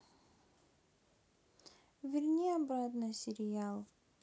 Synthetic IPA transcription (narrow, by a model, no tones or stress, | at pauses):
vʲɪrnʲiɐbɾat̪nɨsʲɪɾʲɪalˠ